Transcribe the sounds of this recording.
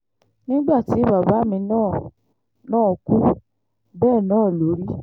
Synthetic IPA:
nĩ˦ɡ͡ba˦˨ti˨˦ba˨ba˨˦mĩ˧nãː˦˨ | nãː˦˨˧ku˦ | bɛː˦˨nãː˦˨lo˨˦ɾi˦

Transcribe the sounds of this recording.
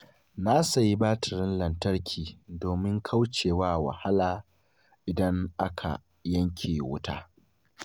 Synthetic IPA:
na˦sa˨ji˦baː˦tʰɪ˨ɾɪ˦nlɐ˨ntɐ˦ɾkʲʰiː˨doː˨mɪ˦ŋkʰa˦wt͡ʃeː˨waː˦wa̰˨ha˦laː˨ | ʔɪ˨dɐ˦ŋʔa˦kʰa̰˨ | jɐ˦ŋkʲʰeː˨wʊ˦taː˦

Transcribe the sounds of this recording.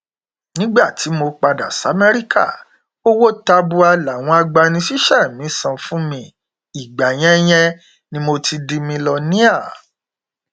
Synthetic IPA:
nĩ˦ɡ͡ba˦˨ti˨˦mo˧k͡pa˧da˨sa˨˦mɛ˦ɾi˦kʰa̰˦˨ | o˦wo˦ta˧bu˧a˧la˨w̃ɔ̃˧a˧ɡ͡ba˧nĩ˧ʃi˦ʃɛ˦˨mĩ˨˦sã˧fũ˦mĩ˧ | i˨ɡ͡ba˨j̃ɛ̃˦j̃ɛ̃˧ | nĩ˧mo˧ti˧di˧mĩ˧lɔ˧nĩ˦a˦˨

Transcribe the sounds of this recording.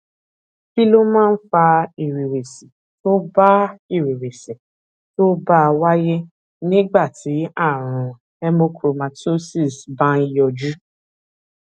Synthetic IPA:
bi˦lo˦mãː˦n̩˦fa˧i˨ɾe˨we˨si˨ | to˦ba˦i˦˨ɾe˨we˨se˨ | to˦ba˦a˧wa˦je˦ | nĩ˦ɡ͡ba˦˨ti˨˦a˦˨ɾ̃ʊ̃˨ | ɛ˦mo˦kʰɾo˨ma˨ti˦o˦si˦˨sbã˦i˧jɔ˧d͡ʒu˦

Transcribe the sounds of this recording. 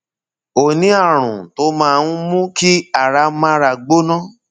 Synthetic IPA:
o˨nĩ˨˦a˦˨ɾ̃ũ˨to˨˦mãː˦˧˦mũ˦ki˦a˦˨ɾa˨˧mã˦ɾa˧ɡ͡bo˦nã˦

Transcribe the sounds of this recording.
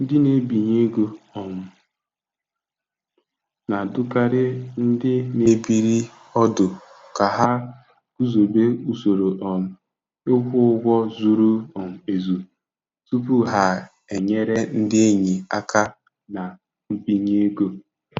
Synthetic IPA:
n̩˦dɪ˦ne˨bi˨ɲe˦ɡo˦ɔ˨m̩˨ | na˨dʊ˦ka˦ɾɪ˦n̩˦dɪ˦ne˨bi˦ɾi˦ | ɔ˦dʊ˨ | ka˨ɦa˦ | ku˦zo˨be˦u˦so˨ɾo˨ʔɔ˨m̩˨ | e˦kʷʊ˦ʊ˦ɡʷɔ˦zu˦ɾu˦ɔ˨m̩˨e˨zu˨ | tu˦pu˦ɦa˨ | e˨ɲe˦ɾe˦n̩˦dɪ˦e˦ɲi˨a̰˦kʰa˦ | na˨ | m̩˦bi˨ɲe˦ɡo˦

